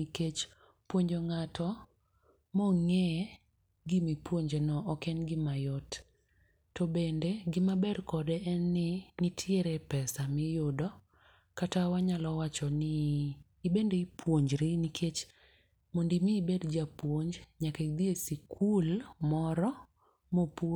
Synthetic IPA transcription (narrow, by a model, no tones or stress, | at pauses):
iket͡ʃ | pwoɲd͡ʒoŋatʰɔ | mɔŋɛ | ɡimipwoɲd͡ʒenɔʔɔkɛnɡɪmajɔtː | ɔbendeɡɪmabɛrkɔdɛʔɛnːɪnɪtʰɪeɾɛpɛsamɪjʊdɔ | katawaɲalɔwat͡ʃɔnɪː | bendeipʰwoɲd͡ʒɾinikʰet͡ʃ | mondimiːbedd͡ʒapwoɲd͡ʒɲaked̪iesikʰulmɔɾɔ | mop